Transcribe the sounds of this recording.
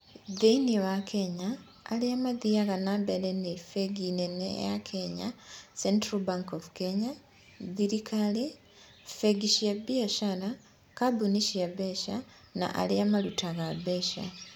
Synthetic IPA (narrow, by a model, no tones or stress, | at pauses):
ðeiniwakʰeɲa̰ː | liamaðiaɣanaβelenefeɡinenḛjakʰeɲa̰sentɾabaŋkovukeɲa | ðiɾikʰali | feɡiʃiabieʃala | kabuniʃiaβeʃa | na̰ʔa̰liamalutaɣaβeʃa̰